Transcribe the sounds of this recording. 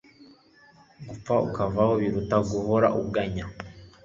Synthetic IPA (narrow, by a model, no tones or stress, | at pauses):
ɡup͡faṵkavahoβiɾutaɡuhoɾa̰ʔuɡaɲa